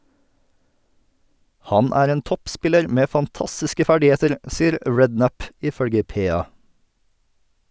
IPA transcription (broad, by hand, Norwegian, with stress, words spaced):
ˈhɑn ˈæːɾ ˈeːn ˈtɔpˌspɪləɾ ˈmeː fɑnˈtɑstɪskə ˈfæɖɪˌheːtəɾ ˈsiːəɾ ˈɹɛdˌnæp ɪˈfœɽɡə ˈpeːˌɑː